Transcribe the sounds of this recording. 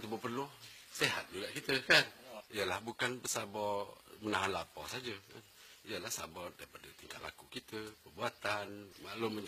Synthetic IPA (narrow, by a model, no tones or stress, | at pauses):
t̪ubəpərlʊhseɦa̰t̪̚ɲuɡaʔkit̪əkanijəlahbukanbəsabɔmənaanlapɔsad͡ʒəkanijəlahsa̰bɔdaɾipadət̪iŋkat̪̚la̰kukit̪əpərbuat̪anmalʊməɲ